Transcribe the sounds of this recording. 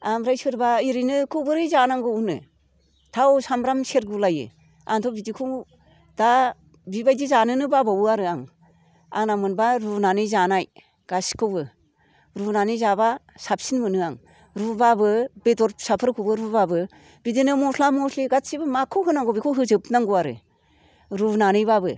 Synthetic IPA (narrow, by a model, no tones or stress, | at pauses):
amɾajsɯɾbaiɾinɯkʰɯwbɯɾɯjzanaŋɡɯunɯ̰ | tʰawsamɾamseɾɡulajɯ̰ | a̰ŋtʰɔbidikʰɯw | d̥a | bibajdizanɯnɯbabawɯaɾɯaŋ | a̰ŋnamɯnbaɾunanɯzanaj | ɡ̥asi̥kʰɯbɯ | ɾunanɯzabasap̚sinmɯnɯaŋ | ɾubabɯbetɔɾsapʰɯɾkʰɯwbɯɾubabɯ | bidinɯmɔsʰlamɔsʰliɡatsibɯmakʰːɯwɦɯnaŋɡɔbikʰɯwɦɯzɯpnaŋɡuaɾɯ̰ | ɾunanɯjbabɯ